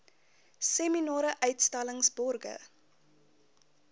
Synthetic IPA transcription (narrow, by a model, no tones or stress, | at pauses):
seminɔːɾəʔœɥtstaləŋsbɔrɡə̰